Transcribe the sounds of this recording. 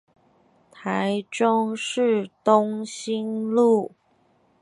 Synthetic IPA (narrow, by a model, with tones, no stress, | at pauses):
t̪ʰa˧˥˦ɪʈ͡ʂʊ˥ŋʂɻ̩˥˩t̪ʊ˥ŋɕi˥nlu˥˩